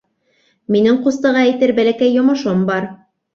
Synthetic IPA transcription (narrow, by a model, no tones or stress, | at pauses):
minɘŋqust̪ɤ̆ʁɑæjt̪ɘɾbælækæjːŏmɤ̆ʃombɑɾ